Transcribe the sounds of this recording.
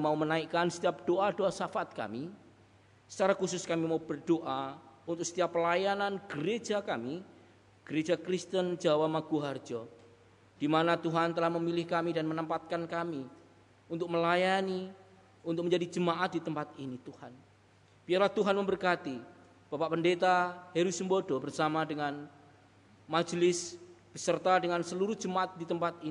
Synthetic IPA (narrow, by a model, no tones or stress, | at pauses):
maumənaikansə̥t̪iap̚d̥oʔadoasafat̪̚ka̰mi | sə̥t͡ʃaɾakusʊskamimaub̥ərdoʔaunt̪ʊk̚sə̥t̪ijapːəlajananɡ̥əɾed͡ʒakami | ɡ̥əɾed͡ʒakɾɪst̪ənd͡ʒawamaɡ̥uɦard͡ʒɔ | d̥imanat̪uɦant̪əlahməmilɪhkamidanmənəmpat̪̚kankami | unt̪ʊk̚məlajani | unt̪ʊkməɲd͡ʒadid͡ʒəmaʔat̪̚dit̪əmpat̪init̪uhan | b̥iarlaht̪uɦanməmbərkat̪i | b̥apaʔpəndet̪aheɾusəmbodɔbərsamadəŋan | mḁd͡ʒlɪsb̥əsərt̪adəŋansəluɾuhd͡ʒəmaʔat̪̚dit̪əmpat̪i